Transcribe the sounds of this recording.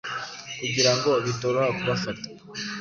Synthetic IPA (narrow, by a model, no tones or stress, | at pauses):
iɡiɾaŋɡo̞βitoɾohakuβafatḁ